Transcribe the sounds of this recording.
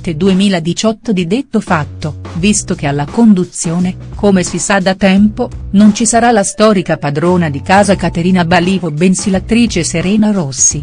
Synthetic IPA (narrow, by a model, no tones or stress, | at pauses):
t̪ːed̪uemiːlad̪it͡ʃɔt̪ːod̪id̪et̪ːofat̪ːovist̪ok̟ealːakond̪ut̪sːjoːnekomesisad̪at̪ɛmponont͡ʃisaɾalast̪ɔːɾikapad̪ɾoːnad̪ikaːzakat̪eɾiːnabaliːvobensilat̪ːɾiːt͡ʃeseɾɛːnarosːi